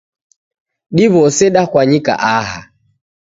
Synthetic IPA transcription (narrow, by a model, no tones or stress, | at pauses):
ɗiβɔsɛɗakwaɲika̰ʔaɦa̰